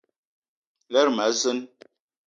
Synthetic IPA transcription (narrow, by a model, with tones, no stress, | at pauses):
lɛ˦ɾma˨˦zɨ˦n